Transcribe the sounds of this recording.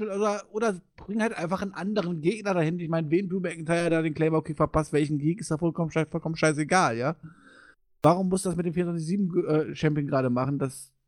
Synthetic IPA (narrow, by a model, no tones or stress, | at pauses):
lʔoːdɐʔoːdɐzb̥ʁɪŋən̩haltʔaɪnfaχnʔandəʁ̞ənɡeːɡnɐdahɪnɪçmaɪnveːnduːtmɛɛkntʰaɪɐdaːɾeːnklɛɪmɐokʰeːfɛɐpastv̥ɛlçn̩ɡiːkɪstaːfɔlkɔfɔlkɔmən̩ʃaɪs̬eɡaːljaː | vaːʁ̞ʊmːʊstud̥asmɪtdeːmfiːnv̥ant͡s̬ɪçziːbm̩ʔɛːt͡ʃɛmpɪŋɡʁaːɾəmaχn̩das